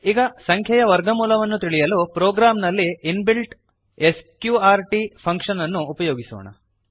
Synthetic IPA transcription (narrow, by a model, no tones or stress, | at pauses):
iːɡɐsɐŋkʰjɐjɐʋɐɾɡɐmuːlɐʋɐnːut̪iɭijɐluːpɾoːɡɾaːmnɐlːiːnbilʈ | eskjuːaːɾʈipʰɐŋkʂɐnɐnːuːpɐjoːɡiso̰ːɳɐ̰